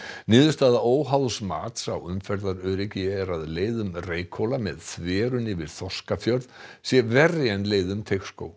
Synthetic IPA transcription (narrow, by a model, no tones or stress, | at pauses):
nɪːðʏst̪aːðaoːwɦawðsmaːt̪sawʏmfɛɾt̪aɾœːɾɪcɪɛɾaðleːjðʏmreːjkʰowlamɛðθvɛːɾʏnɪvɪð̥θɔskafjœɾðsjɛvɛrjɛnleːjðʏmt̪ʰejxsko̰ːw